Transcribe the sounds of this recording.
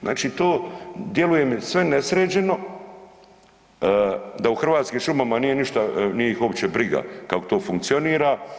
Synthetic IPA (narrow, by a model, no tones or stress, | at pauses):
znʔa̰ːt͡ʃiːt̪oːd̪je̞luje̞msʋe̞ne̞sɾeːd͡ʑe̞no̞ | d̪auxr̩ʋaːt̪skiːmʃumamanije̞niʃt̪anijeixopt͡ɕebɾiɡa̰kakot̪oːfuŋk̚t̪sio̞niːɾa